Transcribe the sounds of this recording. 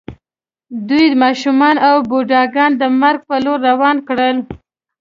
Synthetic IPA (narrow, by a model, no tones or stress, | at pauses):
d̪ujmɑʃumɑnawboɖɑɡɑnd̪əmaɾɡ̚pəloɾːawɑnkɽəl